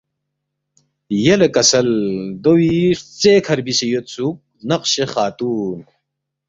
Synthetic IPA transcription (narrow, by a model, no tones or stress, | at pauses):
jelekɐsɐld̪owiʂt͡seːkʰɐɾbisejot̪suk̚ | nɐqɕeχaːt̪uːn